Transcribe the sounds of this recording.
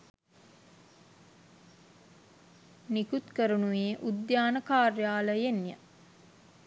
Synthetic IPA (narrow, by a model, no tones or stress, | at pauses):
nikut̪kəɾunuʋeːʔud̪jaːnəkaːrjaːləjenjə̰